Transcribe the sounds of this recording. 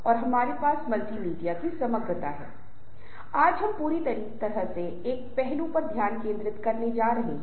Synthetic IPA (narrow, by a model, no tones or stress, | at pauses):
ɔːɾɦɐmaːɾepaːsmɐlt̪imiːɖijakisɐməɡət̪a̰ɦɛ̰ː | aːd͡ʒɦɐmpuːɾit̪ɐɾiːkt̪ɐɾəɦse | eːk̚pɛɦlõpɐɾd̪ʱjaːnkẽːnd̪ɾɪt̪kɐɾned͡ʒaːɾɐɦeː